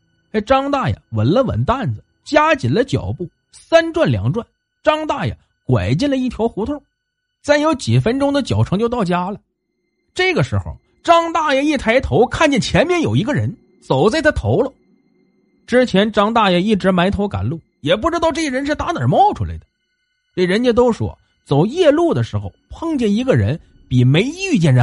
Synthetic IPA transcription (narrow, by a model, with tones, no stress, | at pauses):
ɪʈ͡ʂɑ˥ŋt̪a˥˩jə̰˨˩wə˧˥nlə˧wə̰˨˩nt̪a˥˩nd͡zə˨˩ | t͡ɕja˥t͡ɕi˨˩nlə˦t͡ɕjɑ̰˨˩ʊpu˥˩ | sa˥nʈ͡ʂwa˥˩nljɑ̰˧˥ŋʈ͡ʂwa˥˩n | ʈ͡ʂɑ˥ŋt̪a˥˩jə̰˨˩ | kwa̰˨˩ɪt͡ɕi˥˩nlə˧i˥˩t̪ʰjɑ˧˥ʊxu˧˥t̪ʰʊ˥˩ŋ | t͡sa˥˩ɪjo˧˥ʊt͡ɕi˨˩fə˥nʈ͡ʂʊ˥ŋd̪ə˨t͡ɕjɑ˨˩ʊʈ͡ʂʰɤ˧˥ŋt͡ɕjo˥˧ʊt̪ɑ˥˩ʊt͡ɕja˥lə˨ | ʈ͡ʂɤ˥˩ɡə˩ʂɻ̩˧˥xo̰˧˩ʊ | ʈ͡ʂɑ˥ŋt̪a˥˩jɛ˥˧i˥˩t̪ʰa˧˥ɪt̪ʰo˧˥ʊkʰa˥˧nt͡ɕjɛ˥˩nt͡ɕʰjɛ˧˥nmjɛ˥njo˨˩ʊi˧˥ɡə˥˧ɻə˧˥n | t͡so˨˩ʊt͡sa˥˧ɪt̪ʰa˥t̪ʰo˧˥ʊlə˧ | ʈ͡ʂɻ̩˥t͡ɕʰjɛ˧˥nʈ͡ʂɑ˥ŋt̪̬a˥˩jɛ˥˩i˥˩ʈ͡ʂɻ̩˧˥ma˧˥ɪt̪ʰo˧˥ka̰˨˩nlu˥˩ | jɛ˨˩p̬u˥˩ʈ͡ʂɻ̩˥t̪ɑ˥˧ʊʈ͡ʂɤ˥˩ə˧ɻə˧˥nʂɻ̩˥˩t̪a˧˥t̪ə˞˨˩mɑ˥ʊʈ͡ʂʰu˥la̰˧˥ɪd̪ə̥˦˩ | t̪e˥˩ɻə˧˥nt͡ɕɛ˥t̪o˥ʊʂwɔ̰˥ | t͡so˨˩ʊjɛ˥˧lu˥˩d̪ə˩ʂɻ̩˧˥xo˧ʊpʰɤ˥˧ŋt͡ɕjɛ˥˩ni˧˥ɡə˧ɻə̰˧˥n | pi˨˩me˧˥ɪy˥˧t͡ɕjɛ˥˩nɻə˧˥